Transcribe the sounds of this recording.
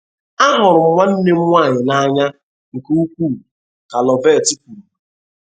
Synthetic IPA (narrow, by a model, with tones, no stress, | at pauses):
a˦ɦʊ˨ɾʊ˨m̩˦ŋʷa˦n̩˦ne˦m̩˦ŋʷa˦˨ɲɪ˨na˦ɲa˦ | ŋ̩˨ke˦u˦kʷuː˦˨ | ka˨lɔ˨vɛː˦˨ti˦k̚u˨